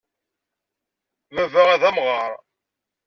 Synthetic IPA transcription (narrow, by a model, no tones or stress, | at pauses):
mævæʁæðæmʁɑɾˤ